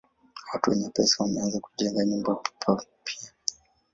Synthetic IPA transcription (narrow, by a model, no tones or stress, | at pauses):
watuwɛɲɛpɛsawanɛwazaku̥ʄɛŋɡaɲumbapʰa | pʰia